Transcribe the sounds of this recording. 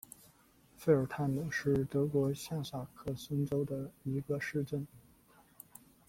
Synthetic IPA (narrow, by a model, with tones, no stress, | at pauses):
fe˥ɪə˞˨˩t̪ʰa˥˩nmu˨˩ʂɻ̩˥˩t̪ɤ˧˥kwɔ˧˥ɕja˥˧sa˥˨˩kʰɤ˥˩sə˥nʈ͡ʂo˥ʊd̪ə˨i˧˥ɡə˧ʂɻ̩˥˧ʈ͡ʂə˥˩n